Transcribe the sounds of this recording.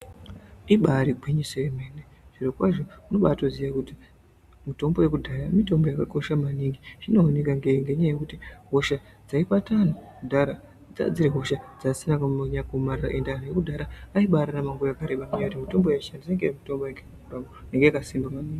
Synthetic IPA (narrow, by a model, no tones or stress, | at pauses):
iɓaɾiɡʱwiɲiseemene | ʐ̥irokwaʐo̞unoɓaːtoziʋakuti | mito̞mbo̞je̞k̬udʱaɾamito̞mbo̞jakako̞ʃamaniŋɡiʐino̞ːne̞kaŋɡeŋɡe̞ɲajekutiɦo̞ʃa | d͡zaipatanokudʱaɾa | d͡za̰d͡ziɾeɦo̞ʃad͡zasinakɲakomariraʔendeanojekudʱaɾaːiɓaɾanamaŋɡuakaɾeɓamuɲajkutimito̞mbo̞jeʃandiseŋɡemito̞mbojeŋɡeakuramoneŋɡejakasimbamaniːŋɡi